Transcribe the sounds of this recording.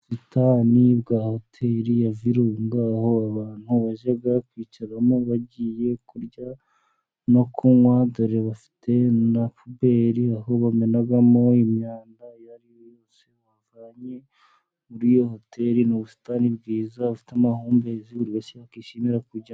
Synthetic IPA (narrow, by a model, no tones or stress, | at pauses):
sitʰaːniβɡaho̞tʰeɾijaviɾuŋɡaho̞aβaːn̥huβaʒaɡakwiːciɾamoβaɟiːje̞kuɾɟa | no̞kʰumwadoɾeβafi̥tʰe̞napube̞ɾiahoβamenaɡamo̞imɲaːndajaɾijojo̞ːse̞wavaːɲe̞ | uɾijo̞ho̞tʰe̞ɾinoβusi̥taːnibɡiːzaβafi̥tamahuːmbeziβuɾɡasiakiʃimiɾakuɾɟa